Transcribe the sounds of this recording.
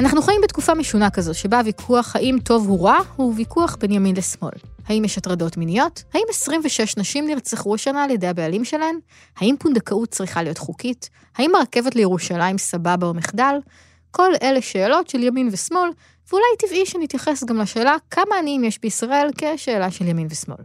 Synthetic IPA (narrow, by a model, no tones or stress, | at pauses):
anaχnuχajimbet̚kufameʃunakɐzo̞tʃebavikʰuaχhaʔimto̞vhuʁahuvikuaχbe̞njaminlesmo̞̰lhaimjɛʃatʁɐdo̞tminijo̞thaimesʁimveʃeʃnaʃimniʁt͡seχuaʃanaːljedejabealimʃelaem | haimpund̪akaut̚t͡sʁiχalijo̞tχukit | haimaʁke̞vetlejeʁuʃalajmsababaomiχdal | kʰo̞le̞leʃeːlo̞tʃe̞ljaminvesmo̞l | veulajtiviʃenitjaχesɡamlaʃe̞ːlakʰamaːniimjeʃbeisʁae̞lke̞ʃe̞ːlaʃeljaminvesmo̞̰l